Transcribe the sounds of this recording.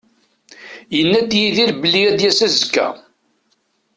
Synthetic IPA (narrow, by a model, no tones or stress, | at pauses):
jənːæt̪jiðiɾbəlːijæd̪jæsæzəkːæ̰